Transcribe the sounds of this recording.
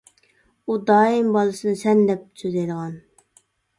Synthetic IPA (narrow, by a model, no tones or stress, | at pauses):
ud̪ɑːimbɑlˠɨsɨnɨsɛnd̪ɛp̚søzɛjd̪əʁɑn